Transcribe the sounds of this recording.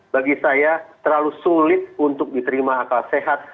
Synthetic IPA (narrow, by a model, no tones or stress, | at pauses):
baɡisajat̪ərlalusulɪt̪̚unt̪ʊk̚dit̪əɾimaːkalseɦat̪̚